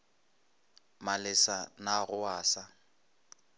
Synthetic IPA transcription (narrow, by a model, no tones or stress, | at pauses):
malɪsanaɣʊaːsa